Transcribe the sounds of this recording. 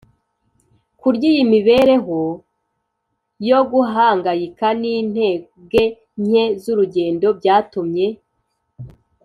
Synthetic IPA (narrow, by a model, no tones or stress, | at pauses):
kuɾɟijimiβe̞ɾe̞ɦo | jo̞ɡuɦaːŋɡajikaniːn̥he̞ː | ɡe̞ | ɲ̥ezuɾuɟe̞ːndo̞bɟaːtumɲe̞